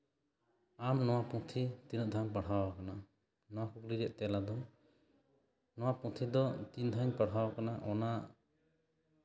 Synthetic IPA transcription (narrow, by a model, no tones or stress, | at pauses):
amnɔwapũt̪ʰit̪inuʔ̚d̪ʱanpəɽ̤awakana | nɔwakukliɾɛʔt̪ɛlad̪ɔ | nɔwapũt̪ʰid̪ɔt̪ind̪ʱaɲpəɽ̤awakanaʔɔna